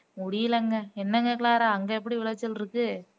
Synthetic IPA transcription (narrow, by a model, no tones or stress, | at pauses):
mʊɽɪjɪlɐŋɡɐɛnːɐŋɡɐkɪɭaːɾaɐŋɡɐɛpːɐɽiʋɪɭɐt͡ʃːɪlɾɯkːɯ